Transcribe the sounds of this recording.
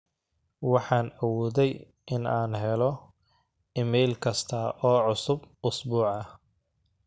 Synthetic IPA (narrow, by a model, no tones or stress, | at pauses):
wɑħɑːnɐwɔːðɛj | ʔɪnaːnɦɛlɔ | ɪmɛjlkʰɐst̪ʰɐʔɔːʕʊsʊbʔʊsbuːʕɐ